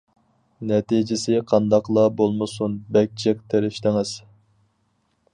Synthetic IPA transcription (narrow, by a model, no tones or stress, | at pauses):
nɛt̪ʰid͡ʒɪsɪqʰɑnd̪ɑqlˠɑbolˠmɨsunbɛk̚ʲt͡ʃʰɛk̚t̪ʰeɾɪʃt̪ɪŋɪz̥